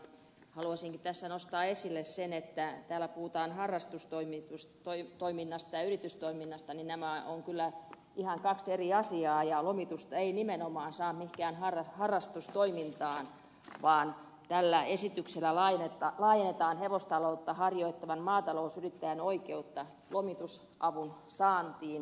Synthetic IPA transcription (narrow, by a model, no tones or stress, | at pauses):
hɑluɑsiŋkit̪æsːænost̪ɑːesilːessenet̪ːæt̪æːlːˑæpuhut̪ɑːnhɑrːɑst̪ust̪oimit̪ust̪oit̪oiminːɑst̪ɑjɑyrit̪yst̪oiminːɑst̪ɑninnæmæoŋkylːæ | ʔihɑŋkɑkseriɑsiɑːjɑlomit̪ust̪ɑeinimenomɑːnsɑːnt̪mihkæːnhɑrɑhɑrːɑst̪ust̪oimint̪ɑːn | ʋɑːn | t̪ælːæesit̪ykselːˑælɑnet̪ɑlɑːjenːet̪ɑːnheʋost̪ɑlout̪ːɑhɑrjoit̪ːɑʋɑnmɑːt̪ɑlousyrit̪ːæjænoikeut̪ːɑ | lomit̪us | ʔɑʋunsɑːnt̪iːn